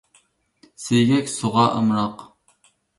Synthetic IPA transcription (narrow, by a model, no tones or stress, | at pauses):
sejɡʲɛkʲsoʁɑʔə̰mɾɑq